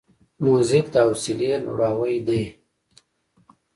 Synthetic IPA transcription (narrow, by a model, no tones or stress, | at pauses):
muzik̚t̪awsilenṵɽaːwəjd̪ej